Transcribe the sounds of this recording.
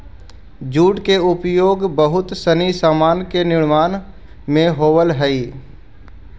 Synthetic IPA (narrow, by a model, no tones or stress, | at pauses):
d͡ʒuːɖkeʊpjoːɡbəɦʊt̪sənisaːmaːnkenɪɽ̃maːn | mẽɦoːʋəlɦɛi